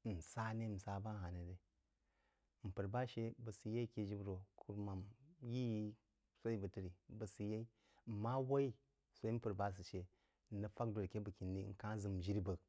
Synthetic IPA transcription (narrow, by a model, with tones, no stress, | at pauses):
n̩˨sa˦ne˦m̩˨sa˨˦ba˦ɦa˨ne˨de˨ | m̩˨pə˨ɾba˦ʃe˦bə˨si˨je˦i˦ke˦d͡ʒi˦bɾo˨kʰu˦ɾma˨mji˦ji˦ | so˦i˦bə˨tə˦ɾi˨bə˨si˨je˦i˦˨ | ma˦wa˦i˦ | so˦i˦m̩˦pə˨ɾba˦s̬ɨ˨ʃe˨ | nːə˦fa˦k̚do˨ɾke˦bə˨ki˨nːḭ˦ŋ̩˨ka˦zɨ˨m˨ʒi˦ɾi˦bə˨k̚